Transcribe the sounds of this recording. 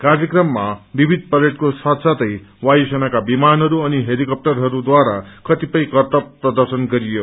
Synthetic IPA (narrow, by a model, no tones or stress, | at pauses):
kaɾjʌkɾʌmːabibʱid̪̚pʌɾeʈkosat̪sat̪ʌjwajsʌnakabimanɦʌɾuʌniɦeɾikʌp̚ʈʌɾɦʌɾud̪waɾakʰʌt̪ipʌjkʌɾt̪ʌpɾʌd̪ʌɾsʌnɡʌɾijo